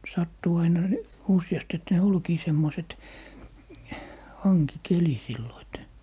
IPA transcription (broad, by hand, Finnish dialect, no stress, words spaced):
sɑtːuː ɑinɑ ni usĭjɑst et ne olkiː semːoset hɑŋkikeli silːo et